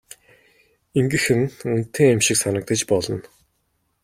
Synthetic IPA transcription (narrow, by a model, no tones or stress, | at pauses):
iŋɡɘ̆xɘ̆nunt̪ʰːeːamʃɪksanə̆k̚t̪ə̆t͡ɕpɔɮɞ̆n